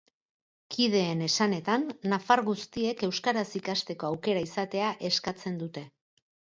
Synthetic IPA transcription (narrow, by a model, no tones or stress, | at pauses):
kʰið̞e̞ːne̞sane̞t̪anːafaɾɣust̪ie̞ke̞wskaɾasikast̪e̞ko̞awke̞ɾaisat̪e̞aʔe̞skat͡se̞nd̪ut̪e̞